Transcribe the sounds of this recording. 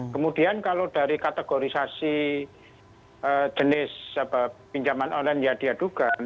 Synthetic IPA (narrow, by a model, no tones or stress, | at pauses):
kəmud̥iankalod̥a̤ɾikat̪eɡ̥oɾisasi | ʔə̥d͡ʒ̥ənɪsapapiɲt͡ʃamanonlɛnjad̥iad̥uɡ̥an